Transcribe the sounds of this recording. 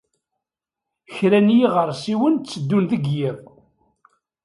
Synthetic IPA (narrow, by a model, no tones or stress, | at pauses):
çɾænjiʁəɾˤsiwənt͡sːəd̪ːunðəɡjæv